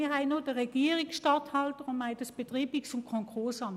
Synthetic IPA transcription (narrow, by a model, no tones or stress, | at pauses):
iɐɦaɪnoːd̥əʁɛɡ̥iːʁɪksʃtɑthɑltəʁʊmaɪd̥ɑsb̥etʁiːbɪksʊmkʰɔŋkʰʊɐsɑm